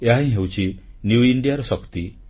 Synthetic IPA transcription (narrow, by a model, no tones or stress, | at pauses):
eɦaɦĩɦewt͡ʃʰinjuiɳɖijaɾɔsɔkt̪i